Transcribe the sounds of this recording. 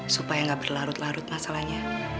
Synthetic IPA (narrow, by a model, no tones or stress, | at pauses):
supajaŋɡab̥ərlaɾʊt̪laɾʊt̪̚masalahɲa